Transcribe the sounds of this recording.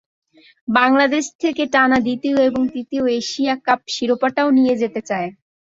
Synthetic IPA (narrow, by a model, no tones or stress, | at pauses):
baŋlad̪eʃt̪ʰekeʈanad̪it̪ioeboŋt̪it̪ioeʃijakap̚ʃiɾopaʈaonijed͡ʑet̪et͡ɕae